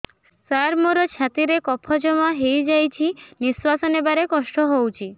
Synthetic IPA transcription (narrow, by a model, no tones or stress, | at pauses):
saɾmoɾɔt͡ʃʰat̪iɾekɔpʰɔd͡ʒɔmaɦejd͡ʒajt͡ʃʰiniswasɔnebaɾekɔsʈɔɦowt͡ʃʰi